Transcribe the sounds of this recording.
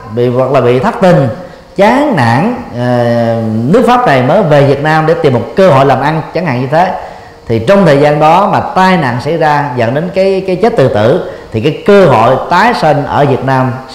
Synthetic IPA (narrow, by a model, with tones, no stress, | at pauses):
ɓḭ˧˨vwə˨˩k̚laː˨˩ɓḭ˧˨t̪ʰa˦˥k̚t̪ï˨˩n | t͡ɕaː˨˦ŋna̰ː˧˨n | nɨ˦˥ək̚faː˦˥p̚na˨˩jməː˨˦jve˨˩vi˨˩ət̚naː˧mɗe˧˩t̪i˨˩əmːo˨˩t̚kəː˧ɦo̰˧˨jlaː˨˩mʔa˧nt͡ɕa˨˦ŋha̰ː˧˨ŋɲɨ˧t̪ʰe˨˦ | t̪ʰi˨˩t͡ɕɔ˧wŋ͡mt̪ʰəː˨˩jzaː˧nɗɔ˨˦maː˨˩t̪aː˧jna̰ː˧˨ŋsa̰˧˥˨jzaː˧zə̰˧˨nɗe˨˦nkaː˨˦jkaː˨˦jt͡ɕe˦˥t̚t̪ɨ˨˩t̪ɨ̰˧˩˨t̪ʰi˨˩kaː˨˦jkəː˧ɦo̰˧˨jt̪aː˨˦jsi˧ŋʔəː˧˩vi˨˩ət̚naː˧m